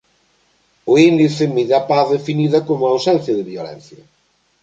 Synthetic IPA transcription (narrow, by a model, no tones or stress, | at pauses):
ʊind̪iθɪmiðapaθðefiniðɐkomʊawsɛn̟θjɐðɪβjolɛ̰n̟θjɐ̰